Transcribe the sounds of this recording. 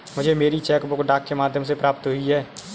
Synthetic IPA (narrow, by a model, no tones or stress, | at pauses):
mʊd͡ʒʱemeːɾit͡ʃɛːkbokɖaːkːemaːd̪ʱjəmsepɾaːp̚t̪ɦʊiɦɛː